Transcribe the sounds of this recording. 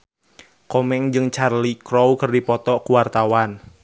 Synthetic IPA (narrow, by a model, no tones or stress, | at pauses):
kɔmɛŋd͡ʒɨŋt͡ʃarlikɾɔwkərdipɔt̪ɔkuwart̪awan